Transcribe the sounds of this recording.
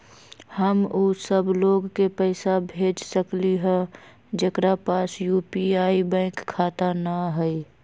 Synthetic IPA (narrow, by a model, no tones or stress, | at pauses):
həmusəbloɡkepəɪsabʱeːd͡ʒsəkliɦɛ̃ | d͡ʒekɾapaːsjupiaːibə̃ɪkʰːaːt̪anəɦəi